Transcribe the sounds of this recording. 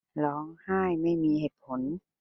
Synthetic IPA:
lɔː˨˦ŋhaː˥˩jma˥˩jmiː˧heː˨˩t̪̚pʰo˩˦n

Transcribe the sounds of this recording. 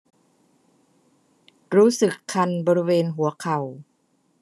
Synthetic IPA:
ɾuː˦˥sɯ˨˩kʰːa˧nbɔː˧ɾi˦˥weː˧nɦu˩˦ɐkʰa˨˩w

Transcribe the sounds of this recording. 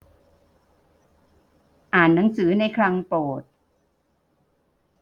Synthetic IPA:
ʔaː˨˩nːa˩˦ŋsɯː˩˦na˧jkʰɾa˧ŋpoː˨˩t̪̚

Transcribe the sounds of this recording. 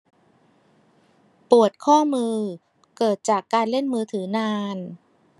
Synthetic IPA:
pu˨˩ət̪̚kʰɔː˥˩mɯː˧ | kɤː˨˩t̪̚t͡ɕaː˨˩kːaː˧nle˥˩nmɯː˧t̪ʰɯː˩˦naː˧n

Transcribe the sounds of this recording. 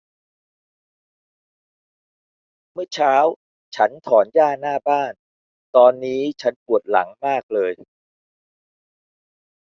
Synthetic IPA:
mɯ˥˩ət͡ɕʰaː˦˥w | t͡ɕʰa˦˥nt̪ʰɔː˩˦njaː˥˩naː˥˩baː˥˩n | t̪ɔː˧nːiː˦˥t͡ɕʰa˦˥npu˨˩ət̪̚la̰˩˦ŋmaː˥˩k̚lɤː˧j

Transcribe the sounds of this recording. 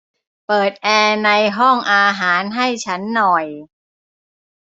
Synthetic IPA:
pɤː˨˩t̪̚ʔɛː˧na˧jɦɔ˥˩ŋʔaː˧ɦaː˩˦nɦa˥˩jt͡ɕʰa˦˥nːɔ˨˩j

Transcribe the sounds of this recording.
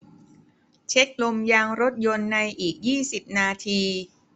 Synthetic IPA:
t͡ɕʰe˦˥k̚lo˧mjaː˧ŋɾo˦˥t̪̚jo˧nːa˧jʔiː˨˩k̚jiː˥˩si˨˩p̚naː˧t̪ʰiː˧

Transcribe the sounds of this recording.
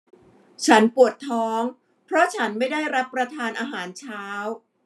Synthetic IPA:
t͡ɕʰa˦˥npu˨˩ət̪ʰːɔː˦˥ŋ | pʰɾɔ˦˥t͡ɕʰa˦˥nma˥˩jda˥˩jɾa˦˥pːɾa˧t̪ʰaː˧nʔaː˧ɦaː˩˦nt͡ɕʰaː˦˥w

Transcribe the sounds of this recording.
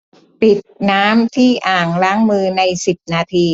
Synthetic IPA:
pi˨˩t̪̚naː˦˥mt̪ʰiː˥˩ʔaː˨˩ŋɾaː˦˥ŋmɯː˧na˧jsi˨˩p̚naː˧t̪ʰiː˧

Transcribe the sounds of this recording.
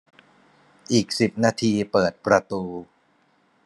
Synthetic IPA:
ʔiː˨˩k̚si˨˩p̚naː˧t̪ʰiː˧pɤː˨˩t̪̚pɾa˧t̪uː˧

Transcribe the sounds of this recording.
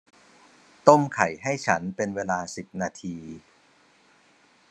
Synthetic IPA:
t̪o˥˩mkʰa˨˩jɦa˥˩jt͡ɕʰa˦˥npe˧nweː˧laː˧si˨˩p̚naː˧t̪ʰiː˧

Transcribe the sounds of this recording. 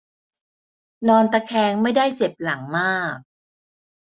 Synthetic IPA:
nɔː˧nt̪a˧kʰɛː˧ŋma˥˩jdaː˥˩jt͡ɕe˨˩p̚la˨˩˦ŋmaː˥˩k̚

